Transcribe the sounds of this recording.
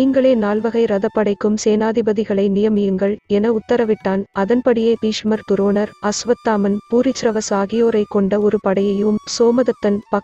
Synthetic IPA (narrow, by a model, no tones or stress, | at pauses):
iːŋɡɐɭeːnaːlʋɐɣɐɪɾɐðɐpːɐɽɐɪkːɯmseːnaːðɪbɐðɪɣɐɭɐɪnɪjɐmɪjɯŋɡɐɭɛnɐʊt̪ːɐɾɐʋɪʈːaːnɐðɐnpɐɽɪjeːpiːʂmɐɾt̪ʊɾoːnɐɾɐsʋɐt̪ːaːmɐnpuːɾɪt͡ʃːɾɐʋɐsaːɣɪjoːɾɐɪkːɔɳɖɐɔɾɯpɐɽɐjɐjɯmsoːmɐðɐt̪ːɐnpɐ